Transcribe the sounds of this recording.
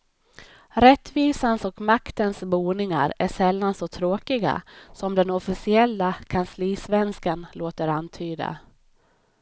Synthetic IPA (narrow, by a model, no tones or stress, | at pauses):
ɾɛt̪ːviːsansɔkmakt̪ənsbuːnɪŋa̰ɾæʂɛlːansɔt̪ʰɾoːkɪɡa̰sɔmd̪ɛnɔfɪsɪɛlːakʰansliːsvɛnskanloːt̪əɾant̪ʰyːd̪a̰